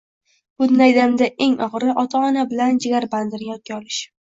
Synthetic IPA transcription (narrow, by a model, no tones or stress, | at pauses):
b̥ʊd̪najd̪amd̪ae̞ŋɒʁɾɪʔɒt̪ʰaɒnabɪland͡ʒɪɡʲaɾband̪ɪɾʲjɒt̪̚kʲaɒlɪʃ